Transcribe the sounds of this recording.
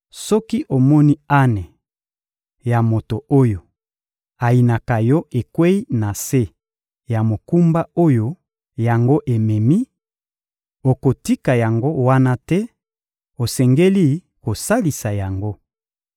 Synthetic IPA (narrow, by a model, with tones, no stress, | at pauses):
sɔ˦ki˦ʔo˨mɔ˦ni˦a˦nɛ˨ | ja˨mo˨to˨o˦jo˨ | a˨i˨na˨ka˨jɔ˦e˨kwe˦i˦na˨se˦ | ja˨mo˨ku˦mba˦o˦jo˦ | ja˨ŋɡo˦ʔe˨mɛ˨mi˦ | o˨ko˨ti˦ka˨ja˨ŋɡo˦wa˦na˦tɛ˦ | o˨sɛ˨ŋɡe˦li˦ | ko˨sa˦li˨sa˨ja˨ŋɡo˦